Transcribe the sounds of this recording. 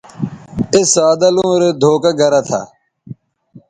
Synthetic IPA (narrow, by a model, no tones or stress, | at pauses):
ɪsaːd̪ɐlõːɾed̪ʱoːkɐɡɐɾɐt̪ʰa̰